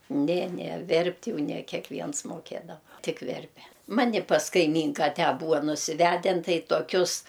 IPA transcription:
ˈnʲɛ ˈnʲɛ ˈʋʲɛrʲpʲtʲ ˈjɛʊ nʲɛ kʲɛkˈʋʲiɛns moːˈkʲeːdɐʋɐ ˈtʲɪk ˈʋʲɛrʲpʲɛ ˈmɑːnʲɪ pɐs kɐɪˈmʲiːŋkɐ ˈtʲæː ˈbuːɐ nʊsʲɪˈʋʲædʲɛn ˈtɐɪ toːˈkʲʊs

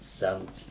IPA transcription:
ˈsʲæmt

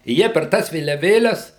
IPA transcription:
ɪ ˈjiɛ pʲɛr ˈtɑːs ʋʲeːlʲɛˈʋʲeːlʲɛs

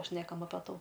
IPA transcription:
ˈʃʲnʲæːkɐm ɐpʲɛ ˈtuː

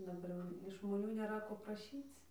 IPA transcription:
dɐˈbɐr jɛʊ ɪʃ ʒmoːˈnʲuː nʲeːˈrɐ ˈkoː prɐˈʃʲiːt͡s

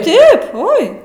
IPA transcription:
ˈtɐɪp ˈoːɪ

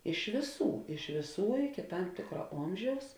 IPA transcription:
ɪʃ ʋʲeːˈsuː ɪʃ ʋʲeːˈsuː ɪkʲɪ ˈtɐm ˈtʲeːkrɐ ˈoːmʲʒʲɛʊs

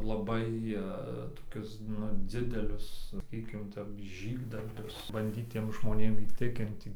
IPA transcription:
lˠɐˈbɐɪ toːˈkʲʊs ˈnʊ ˈd͡zʲɪdʲɛlʲʊs sɐˈkʲiːkʲɪm ˈtʲɛp ˈʒʲiːɡdɐrʲbʲʊs bɐnʲˈdʲiːt ˈtʲiɛm ʒmoːˈnʲeːm iːˈtʲɪkʲɪnʲtʲɪ

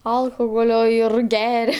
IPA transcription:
ˈɐlˠxoːɣoːlʲoː ɪr ˈɡʲæːrʲɛ

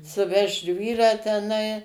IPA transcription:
sʊˈʋʲɛʃt ˈʒʲʋʲiːrɑː tʲɛˈnɐɪ

